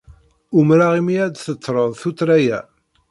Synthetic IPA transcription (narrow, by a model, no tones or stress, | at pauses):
ʊmɾaʁimiæd̪θət͡sːɾˤəðˤθut̪ɾæjæ